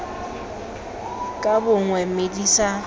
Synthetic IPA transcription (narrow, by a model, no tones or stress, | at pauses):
kʼabʊŋwɛmedisa